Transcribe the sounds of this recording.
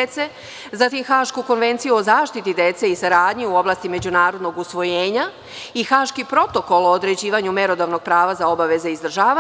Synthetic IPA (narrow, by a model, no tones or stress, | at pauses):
t̪se̞ | zat̪imxaːʃkuko̞nʋe̞nt̪sijuo̞zaːʃt̪it̪id̪e̞t̪se̞isaɾaːd̪ɲiuo̞blˠaːst̪ime̞d͡ʑunaːɾo̞d̪no̞ɡusʋo̞jeːɲa | ixaːʃkipɾo̞t̪o̞ko̞lˠoːd̪ɾe̞d͡ʑiːʋaɲumeɾo̞d̪aʋno̞ɡ̚pɾaːʋazaobaʋe̞zeizd̪r̩ʒaːa